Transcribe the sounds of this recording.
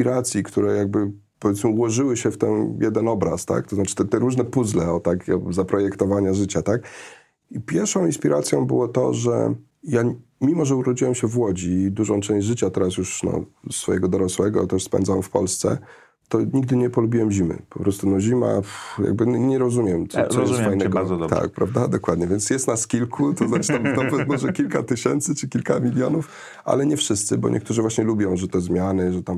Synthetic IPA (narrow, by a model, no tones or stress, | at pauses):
pʲiɾat̪sʲjikt̪uɾɛjaɡ̚bɘ | pɔvʲjɛt̪mɘuwɔʐɘwɘɕɛft̪ɛnjɛd̪ɛnɔbɾa̰st̪a̰kt̪ɔznat͡ʂɘ̥t̪ɛt̪ɛɾuʐnɛpuzlɛɔt̪akɔzapɾɔjɛkt̪ɔvaɲaʐɘt͡ɕat̪ak | ipʲjɛɾfʂɔ̃w̃inspʲiɾʔat̪sʲjɔ̃w̃bɨ̰wɔt̪ɔ̰ʐɛ̰ | ja | mʲimɔʐɛuɾɔd͡ʑiwɛmɕɛvwɔd͡ʑid̪uʐɔ̃w̃t͡ʂɛ̃ʑd͡ʑʐɘt͡ɕat̪ɛɾas̬juʂnɔ̰sfɔjɛɡɔd̪ɔɾɔswɛɡɔ̰t̪ɛʂspɛ̰nzawɛmfpɔ̰lst̪sɛ̰ | t̪ɔɲiɡ̚d̪ɘɲɛpɔlubʲiwɛmʑimɘ̰pɔpɾɔst̪unɔʑima̰ja̰ɡ̚bɘɲɛɾɔzumʲjɛmt̪ɔsɔfajnɛɡɔt̪a̰k̚pɾavd̪ad̪ɔkwad̪ɲɛvʲjɛnsjɛst̪naskʲilkʰut̪ɔznatɨ̥t̪amt̪ɔɔɛmɔʐɛkʲilkat̪ɘɕɛnt̪sɘt͡ʂɘkʲilkamʲilʲjɔnuf | a̰lɛɲɛfʂɘst̪sɘbɔ̰ɲʔɛ̰k̚t̪uʐɘvwaɕɲɛlubʲjɔ̃w̃ʐɛt̪ɔzmʲjanɘʐɛt̪am